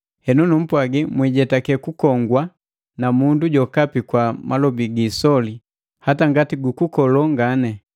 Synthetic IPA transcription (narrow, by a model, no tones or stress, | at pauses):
hɛnunum̩pwaɡimwiɟɛtakɛkukɔŋɡwa | namunduɟɔkapikwamalɔbiɡisɔli | hataŋɡatiɡukukɔlɔŋɡanɛ